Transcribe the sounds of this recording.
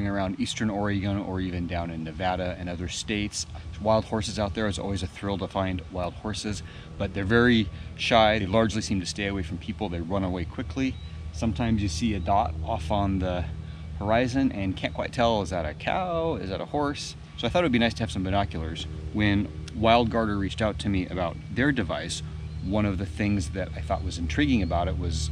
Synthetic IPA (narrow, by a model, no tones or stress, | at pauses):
ɪ̃ŋə˞ãʊ̃ndistə̃˞nɔɹɪɡə̃nə̰˞ivɨ̃ndãʊ̃nɨ̃nːɨvæɾɨɨ̃nʌðə˞steɪtswaɪlˠd̚hɔɹsɨzaʊt̪̚ðə˞ɨzɔ̰lˠwizɨθɹɪlˠtəfãɪ̃nwaɪlˠd̥̚hɔɹsɨz | b̥ʌt̪̚ðə˞vɛɹiʃaɪðeɪlɑɹd͡ʒlisĩmtʰɨ̥steɪɨweɪfɹʌ̃mpʰipl̩ˠðeɪɹʌ̃nəweɪkʰw̥ɪkʰlisʌ̃mtʰãɪ̃mzjɨsiɨdɑɾɔfn̩ðə | hə˞aɪzɨ̃nʔɨ̃nkʰæ̃nkw̥aɪtʰɛlˠəzðɨɾɨkʰa̰ʊɪzɨɾə̰hɔɹs | soʊaɪθɔɾɨt̚wəd̚binaɪstʰɨɨv̥sʌ̃mvɨnɑkjl̩ˠə˞z̥wɨ̃nwaɪlˠd̚ɡɑɹdə˞ɹit͡ʃtaʊtʰɨmiʔɨbaʊt̪̚ðə˞dɨva̰ɪs | wʌ̃ñʌvðɨθɪ̃ŋzðɨɾaɪθɔ̰ʔ̚wʌzɨ̃ntʰɹ̥iɡɪ̃ŋɨbaʊɾɨt̚wʌz̥